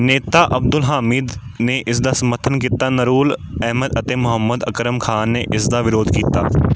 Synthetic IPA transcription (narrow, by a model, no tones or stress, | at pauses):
neːt̪aːʔəb̚d̪ʊlɦaːmɪːd̪ | neːʔɪsd̪aːsəməɾt̪ʰənkiːt̪aːnəɾuːlɛːməd̪ət̪eːmʊɦəmːəd̪əkɾəmkʰaːnːeːʔɪsd̪aːʋɪɾoːd̪kiːt̪a̰ː